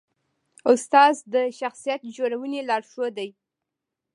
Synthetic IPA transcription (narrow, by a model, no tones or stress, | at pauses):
ʊst̪ɑzd̪əʃaxsijat̪d͡ʒoɾawənelɑɽʃod̪aj